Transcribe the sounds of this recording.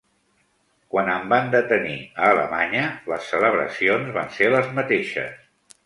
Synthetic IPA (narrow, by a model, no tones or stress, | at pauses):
kwanəmband̪ət̪ənḭəːlə̰maɲələsːələβ̞ɾə̰sionzβanseləzmət̪eʃə̰s